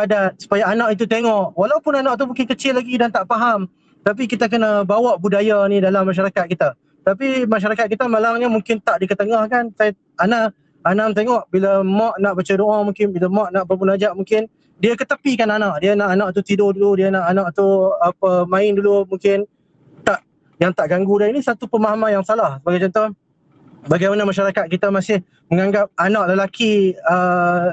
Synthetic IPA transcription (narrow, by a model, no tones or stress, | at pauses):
adat̪̚su̥pajaːnãʔit̪̬ut̪eŋɔʔwalawpʊnanaʔ̚t̪̬umũŋkɪnkət͡ʃɪlːaɡidant̪aʔpaɦam | t̪ap̬ikit̪akənabawaʔbudajanĩdalamːaʃ̬aɾakat̪̚kit̪a | t̪ap̬imaʃ̬aɾakat̪̚kit̪amalamɲamũŋkɪnt̪aʔdikət̪əŋahkansa | anaʔ | anamt̪eŋɔʔbilamɔʔnaʔbat͡ʃadoʔamũŋkɪnbilamɔʔnaʔbərmunad͡ʒaʔmũŋkɪn | diəkət̪əpikananaʔdiənaʔanaʔt̪ut̪idʊhduludiənaʔanãʔt̪uapəmãɪndulumuŋkɪn | t̪aʔ | jaŋt̪aʔɡaŋɡudainisat̪upəmaɦmajaŋsalahsəbaɡajt͡ʃɔnt̪oh | baɡajmanəmaʃaɾakat̪̚kit̪əmasɪh | məŋaŋɡap̚anaʔləlakiə